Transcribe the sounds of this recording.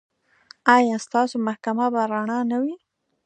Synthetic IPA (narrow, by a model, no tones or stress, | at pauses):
ajɑst̪ɑsomahkamabaɾaɳɑnawi